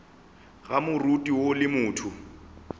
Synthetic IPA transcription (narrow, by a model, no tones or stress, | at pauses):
ɣamʊrutʼiwolɪmʊːtʰʊ